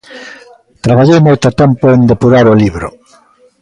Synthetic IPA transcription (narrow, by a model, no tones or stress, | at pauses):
t̪ɾaβaʎejmojt̪ʊat̪ɛmpoend̪epuɾaɾoliβɾo̰